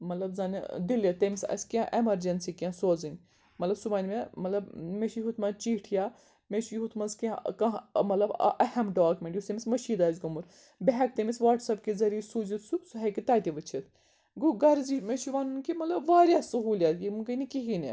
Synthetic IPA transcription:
mɐt̪lɐbzɐn̰d̪ilɐt̪emisʲɐ̰sʲkʲãʔemɐɾd͡ʒɐnsikʲãsoːzɨnʲ | mɐt̪lɐbsubaːnʲmemɐt̪lɐbmeʃiɦut̪ʰmɐt͡ʃiːʈʰjaː | meʃijɦut̪ʰmɐzkãkɐ̃mɐt̪lɐb̰ʔɐhɐmɖaːkmʲeɳʈjusemʲismɐʃiːd̪aːzʲɡɐmuɾ | bʲeɦɛk̚t̪emʲisʋaːʈsɐpkezɐɾisuːzit̪ʰsusuɦɐkit̪aːt̪ʲiʋɨt͡ʃʰit̪̚ʰ | ɡuɡɐɾzimeʃiʋaːnunʲkimɐt̪lɐbʋaːɾʲjasɐɦuːljat̪jimukɐnikiɦine

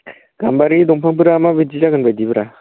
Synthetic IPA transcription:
ɡ̥ambaɾidɔŋpʰaŋbɯɾamabid͡ʒizaɡɯnbajdibɯɾa

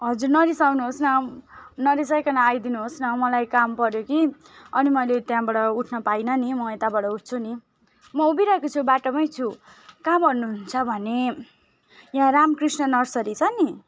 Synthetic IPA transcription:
ɦʌd͡zurnʌɾisawnuɦosnʌnʌɾisʌjkʌnaajd̪inuɦosnʌmʌlajkampʌɾjoki | ʌnimʌjlet̪jãbaɽʌuʈʰnʌpajnʌnimʌet̪abaɽʌuʈ̚ʰt͡sʰuni | mʌubiɾʌekot͡sʰubaʈʌmʌjt͡sʰu | kambʌrnuɦunt͡sʰʌbʱʌne | jãramkrisnʌnʌrsʌɾit͡sʰʌni

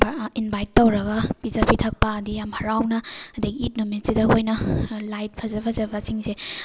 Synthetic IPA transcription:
binbajtːɐwɾɐɡɐpizɐpʰitʰɐk̚pɐːdijamhɐɾawnɐːdiɡiːt̚numitsidɐɦojnɐlajt̚pʰɐzɐpʰɐzɐbɐt͡ʃiŋse

